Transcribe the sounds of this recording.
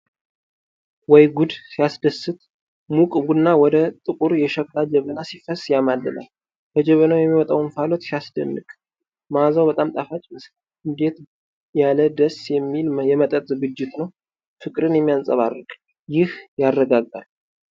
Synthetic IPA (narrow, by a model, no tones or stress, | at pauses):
wɔjɡud̪sijasd̪əsːɨt̪ | mukʼbunːawɔd̪ət̪ʼɨkʼuɾjɛʃəklad͡ʒɛβənasifəsjamalːəna̰l | bəd͡ʒɛβənawjɛmːiwɔt̪ʼawunfalot̪sijasd̪ə̰nːɨkʼ | mazawbət̪ʼamt̪ʼafat͡ʃʼmɨs | ɨnd̪e̞t̪ | jaləd̪əsjɛmːiljɛmət̪ʼət̪ʼzɨɡɨd͡ʒːɪt̪nəw | fɨkʼɾɨnjɛmːijansʼə̰βa̰rːɨkʼ | jɪhjarːəɡaɡa̰l